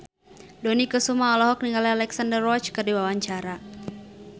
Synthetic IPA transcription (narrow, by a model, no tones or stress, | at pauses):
dɔnikəsumaɔlɔɦɔk̚niŋɡalialɛksandərɔt͡ʃkɨrdiwawaɲt͡ʃaɾa